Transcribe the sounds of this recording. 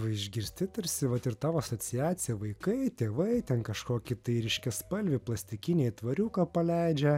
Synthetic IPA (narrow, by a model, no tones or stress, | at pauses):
ʋɐɪʒʲɡʲɪɾʲsʲt̪ʲɪt̪ɐɾʲsʲɪʋɐt̪ɪɾt̪ɑːʋoːɐsoːsʲɪjæːt̪sʲɪjɛʋɐɪkɐɪt̪ʲeːʋɐɪt̪ʲɛnkɐʃkoːkʲɪt̪ɐɪɾʲɪʃʲkʲɛspɐlʲʋʲɪplˠɐsʲt̪ʲɪkʲɪnʲeːjt̪ʋɐɾʲuːkɐpɐlʲæɪd͡ʒʲɛ